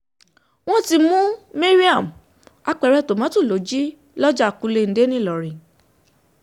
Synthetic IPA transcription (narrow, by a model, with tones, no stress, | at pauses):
w̃ɔ̃˦ti˧mũ˦me˦ɾi˦a˦˨m˨ | a˧k͡pɛ˨˧ɾɛ˦˨to˨mã˨˦tũ˦˨lo˨˦d͡ʒi˦ | lɔ˦d͡ʒa˦˨ku˧le˧n̩˨de˨˦nĩ˦˨lɔ˨ɾĩ˨